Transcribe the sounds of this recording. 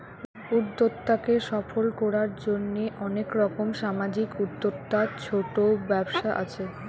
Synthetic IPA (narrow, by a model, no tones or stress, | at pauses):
ud̪ːot̪ːakeʃɔfolkɔɾaɾd͡ʑonːeʔɔnekɾɔkomʃamad͡ʑikud̪ːot̪ːat͡ɕʰoʈobɛbʃaʔa̰t͡ɕʰe